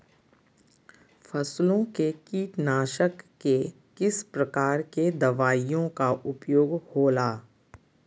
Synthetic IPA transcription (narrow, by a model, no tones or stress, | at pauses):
fʰɐslõkekiːʈnaːʃəkːe | kɪspɾɐkaːɾked̪ɐʋaːijõkaʔʊpjoːɡhoːlaː